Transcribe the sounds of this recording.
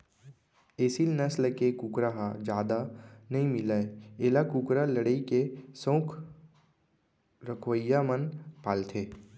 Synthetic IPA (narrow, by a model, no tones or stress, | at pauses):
eːsilnəsləkekuːkɾaɦad͡ʒjaːd̪anɐĩmɪlaeeːlakuːkɾaləɽəikesõːkʰ | ɾəkʰʋəjːamənpaːlt̪ʰeː